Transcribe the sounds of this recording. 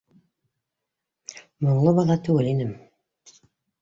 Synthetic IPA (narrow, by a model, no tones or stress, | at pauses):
moɾlˠɤβɑðɑt̪ʉɡɘlinɘm